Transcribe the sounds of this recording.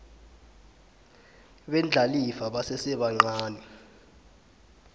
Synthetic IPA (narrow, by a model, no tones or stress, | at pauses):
ɓɛnd͡ɮʱalifaɓasɛsɛɓaŋ͡ǀaːni